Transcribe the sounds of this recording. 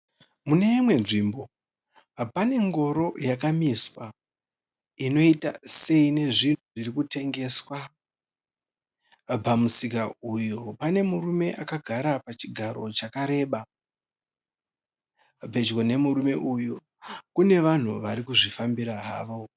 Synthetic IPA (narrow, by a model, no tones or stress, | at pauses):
mune̞imwe̞nʐimbo̞ | pane̞ŋɡo̞ɾo̞jakamiswa | ino̞ita̰se̞ine̞ʐin̤uʐirikute̞ŋɡe̞swa | bamusikaujo̞pane̞murume̞ʔakaɡʱaɾapat͡ʃiɡʱaɾo̞t͡ʃakaɾe̞ːɓa | pe̞d͡ʒɡone̞muɾume̞ʔujo | kune̞ʋan̤uʋaɾikuʐifambiɾaɦa̰ːʋo̞